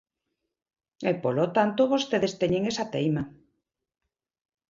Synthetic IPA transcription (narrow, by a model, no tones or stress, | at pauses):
epolot̪ant̪oβost̪eðest̪eɲeŋesat̪ejma